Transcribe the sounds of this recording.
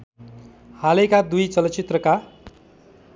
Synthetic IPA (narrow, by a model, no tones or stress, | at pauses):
halekad̪ujt͡sʌlʌt͡sit̪rʌka